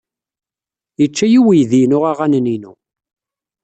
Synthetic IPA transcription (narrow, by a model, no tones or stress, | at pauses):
jət͡ʃːæjiwijðinʊʁaʁænninṵ